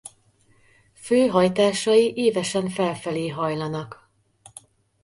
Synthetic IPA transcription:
føːɦɒjt̪aːʃɒjiʔeːvɛʃɛɱfɛlfɛleːɦɒjlɒnɒk

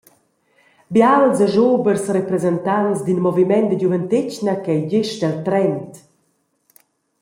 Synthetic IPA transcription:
bjalzəʒoːbərsrɛpɾɛzɛntant͡sd̪inmɔvimɛnt̚d̪əɟuvəntɪcnəkɛjɟɪʃdɛlt̪ɾɛnt

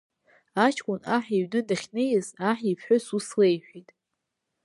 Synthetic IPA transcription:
at͡ʃʰkʷʼʊnaħiɥnɨdaχʲnejasaħipʰħʊsuslejħʷᶣitʼ

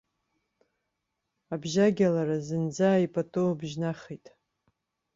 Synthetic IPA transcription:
abʒaɡʲalaɾazɨnd͡zaipʼatʼowabʒnaχijtʼ

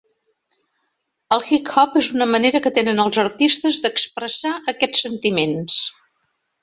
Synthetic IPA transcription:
əlˠxikxɔpezunəməneɾəkət̪enənəlˠzəɾt̪ist̪əzðəkspɾəsaʔəkɛt͡sːənt̪imens

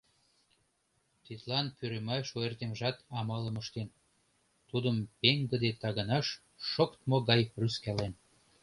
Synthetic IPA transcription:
t̪it̪lɑnpyɾemɑʃoert̪emʒɑt̪ɑmɑlə̆məʃt̪en | t̪ud̪əmpeŋɡə̆d̪et̪ɑɣənɑʃː | okt̪moɣɑjryskælen

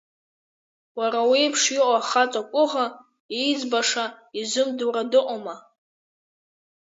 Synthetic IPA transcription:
waɾawiːpʰʂiʔʷʼaχat͡sʼakʷʼʊʁa | id͡zbaʂaizʊmduɾadɨqʷʼoma

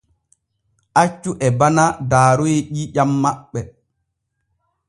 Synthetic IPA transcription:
ʔat͡ʃːuʔɛbanadaːɾujeʄiʄamːaɓːɛ

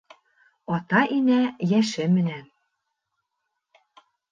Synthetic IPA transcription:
ɑt̪ɑʔinæjæʃɘ̆mɘ̆næ

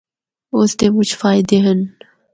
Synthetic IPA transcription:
ʊst̪emʊt͡ʃʰfaːɪd̪eɦən

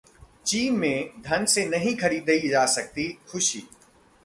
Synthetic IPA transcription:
t͡ʃiːmːẽd̪ʱɐnsenɐɦĩkʰɐɽiːd̪əid͡ʒaːsɐk̚t̪ixʊʃḭː

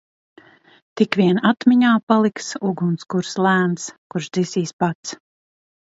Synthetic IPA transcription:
t̪ikʋʲiɛnat̪miɲaːpalˠiksuɡunskuɾslˠæːnt̪skuɾʃd̪zisiːspat̪s

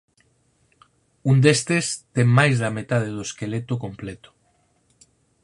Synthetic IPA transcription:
und̪est̪est̪eŋmajzðamet̪að̞eðoeskelet̪okomplet̪o̥

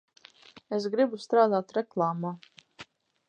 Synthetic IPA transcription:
es̬ɡɾibust̪ɾaːd̪aːt̪ɾɛklˠaːmaː

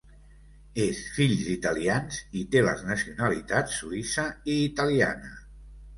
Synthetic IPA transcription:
esfiʎzit̪alianzit̪elə̰znəsiunəlit̪at̪sːuisəiːt̪alia̰nə

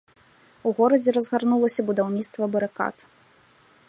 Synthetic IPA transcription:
uɣɔɾɐd͡zʲɛɾɐzɣarnulˠɐsʲɐbud̪awnʲit̪st̪vɐbɐɾɨka̰t̪

